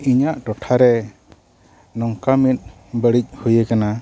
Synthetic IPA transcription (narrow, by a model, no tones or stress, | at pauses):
iɲaʔʈɔʈʰaɾɛ | nɔŋkamit̪̚ | bəɽic̚hujəkana